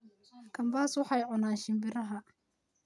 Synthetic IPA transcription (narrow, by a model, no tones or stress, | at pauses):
kʰɐmbaːswɑħɑjʕʊnaːnʃɪmbɪɾɐɦɐ